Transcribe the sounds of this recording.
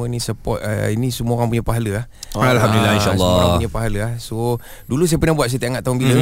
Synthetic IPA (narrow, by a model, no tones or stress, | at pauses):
ənisəpɔ̰t̪̚ə̰inisəmuəoɣaŋp̬uɲəpaɦaləahalɦamdulilaiʃalːɔaɲapaɦaləahso | dulus̬ajəpənahbuat̪s̬ajt̪əʔaŋaʔ̪̚t̪aʊnbilə